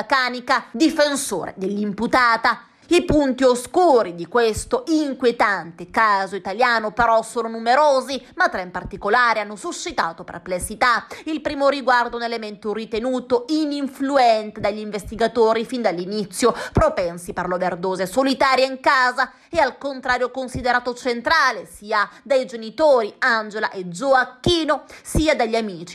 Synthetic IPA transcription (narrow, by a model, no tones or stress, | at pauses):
kaːnikad̪ifenso̰ːɾḛd̪elːimput̪aːt̪a | ipunt̪ioskuːɾid̪ikwest̪oʔiŋkwjet̪ant̪ekaːzoit̪aljaːnopeɾɔsoːnonumeɾoːzimat̪ːɾɛimpart̪ikolaːɾeanːosuʃːit̪aːt̪opḛrplesːit̪ailpɾiːmoɾiɡward̪ounelement̪orit̪enuːt̪oiniɱfluɛnt̪ed̪aʎːiɱvest̪iɡat̪oːɾifind̪alːinit̪sːjopɾopɛnsiperloverd̪oːzesolit̪aːɾjaiŋkaːza | ɛalkont̪ɾaːɾjokonsid̪eɾaːt̪ot͡ʃent̪ɾaːlesiːad̪ajd͡ʒenit̪oːɾiand͡ʒela̰ʔezoakːiːnosiːad̪aʎːamiːt͡ʃi̥